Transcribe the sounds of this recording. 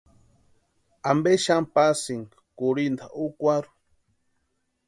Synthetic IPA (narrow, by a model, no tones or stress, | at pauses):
ambeʃampasiŋ | kuɾind̪aʔukʷaɾu̥